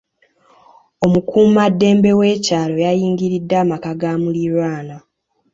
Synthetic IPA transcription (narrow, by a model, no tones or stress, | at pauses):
o̞mukumumadːe̞ːmbe̞we̞ːcaːlo̞jajiːŋɡiɾidːaːmakaɡaːmuliɾwaːna